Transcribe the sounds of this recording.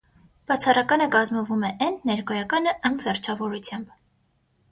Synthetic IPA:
b̥ɑt͡sʰɑrɑkɑnəkɑzmɔvumɛʔɛnːɛɾkɔjɑkɑnəʔəmvɛrt͡ʃʰɑvɔɾut͡sʰjɑmb

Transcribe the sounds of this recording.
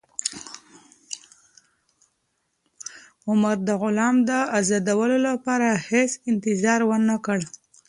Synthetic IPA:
ʊmaɾd̪əɣʊlɑmd̪əazɑd̪awəlolapɑɾahesɪnt̪ɪzɑɾwənakəɽ

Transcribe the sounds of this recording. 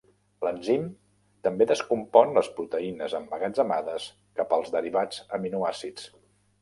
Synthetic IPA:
lənzim | t̪əmbeðəskumpɔnləspɾut̪əinəzəmbəɣad͡zəma̰ðəs | kapəlˠzðəɾiβad͡zəminuasit͡s

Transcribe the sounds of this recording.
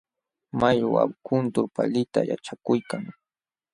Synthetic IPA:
majwa̰wkʊnt̪ʊɾpalɪt̪a̰ja̰t͡ʃakʊjkaŋ

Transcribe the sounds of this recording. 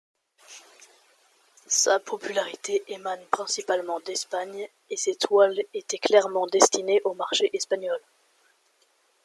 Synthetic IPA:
sapʰɔpylaʁit̪eʔemanpχɛ̃sipalmɑ̃d̪ɛspaɲ | eset̪walet̪ɛklɛʁmɑ̃d̪ɛst̪ineʔomaʁʃeʔɛspaɲɔl

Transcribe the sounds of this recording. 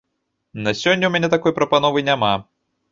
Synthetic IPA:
nɐsʲɔnʲːɐwmʲɛanʲɛt̪akɔjpɾɐpanɔvɨjnʲama

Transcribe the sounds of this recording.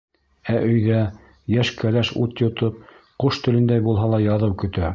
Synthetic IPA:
æʔɵ̆jðæ | jæʃkʰælæʃut̪jŏt̪ɤp̚ | quʃt̪ɵ̆lɘ̆nd̪æjbulˠɦɑlˠɑjɑðɤwkɵ̆t̪æ

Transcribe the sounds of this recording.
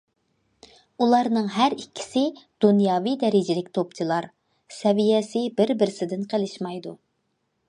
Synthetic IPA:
ulˠɑɾnɨŋɦæɾikʲʰːi̥sɪd̪̥unjɑːvijd̪ɛɾɪd͡ʒɪlɪkʲt̪ʰopt͡ʃʰilˠɑɾ | sɛvijɛsɪbɪɾbɪɾɪsɪd̪ɪnqʰəlɪʃmɑjd̪u

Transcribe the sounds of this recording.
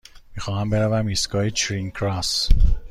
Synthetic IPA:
mixɒːhæmbeɾævæmisɡɒːet͡ʃʰɾiŋkʰɾas

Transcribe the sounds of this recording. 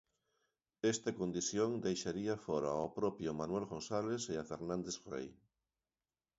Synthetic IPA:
est̪ɐkond̪iθjoŋd̪ejʃaɾiɐfɔɾa̰opɾɔpjʊmanwelɣonsaleseafeɾnãnd̪esrḛj

